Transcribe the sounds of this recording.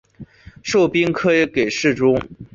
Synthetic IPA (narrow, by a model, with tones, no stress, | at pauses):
ʂo˥˩ʊpi˥ŋkʰɤ˥˧˥ke˨˩ɪʂɻ̩˥˩ʈ͡ʂʊ˥ŋ